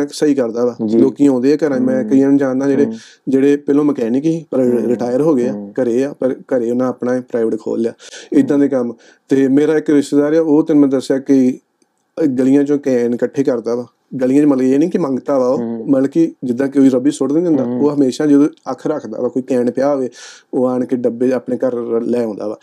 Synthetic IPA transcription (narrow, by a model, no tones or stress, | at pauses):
səiːkəɾd̪aːʋaːloːkiãõːnd̪eːaːkəɾãːmɛ̃ːkəiːãːnːd͡ʒãːnd̪ãːd͡ʒeːɽeː | d͡ʒeːɽeːpɪlõːməkɛːnɪ̃kɪĩːpəɾɾɪʈaːjəɾɦoːɡəaːkəɾeːaːpəɾkəɾeːʊnãːaːpnãːpɾaːɪʋəʈkʰo̰ːljaːɪd̪ːãːd̪eːkəm | t̪eːmeːɾaːɪkɾɪʃt̪ːd̪aːɾeːaːoːt̪ɪnmɛ̃ːd̪əsjaːkɪ | ɡəlɪjãːt͡ʃõːkɛːɳkəʈʰːeːkəɾd̪aːʋaː | ɡəlijãːt͡ʃõːməlɡeːniːkɪmə̃ŋɡt̪aːʋaːoːməlkid͡ʒɪd̪ːãːkeoiːɾəbiːsʊɽd̪ɪnːə̃nd̪aːoːɦəmeːʃaːd͡ʒəd̪õːəkʰɾəkʰd̪a̰ːʋaːkoːiːkɛːnpɪjaːoʋeːoːaːɳkɪɖəbeːaːpɳẽːkəɾlɛːõːnd̪aːʋa̰ː